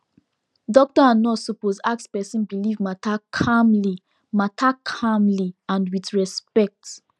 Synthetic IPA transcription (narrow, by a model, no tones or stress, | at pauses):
dɔk̚tɔãnɔsɔpozak̚tspɛsĩnbilivmatakʰamli | matʰakʰãmliãndwitɹɛspɛk̚t